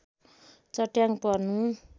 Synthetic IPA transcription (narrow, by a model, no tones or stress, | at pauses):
t͡sʌʈjaŋpʌrnu